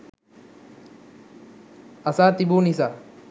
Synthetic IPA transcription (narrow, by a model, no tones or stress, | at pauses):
ɐsaːt̪ibunisa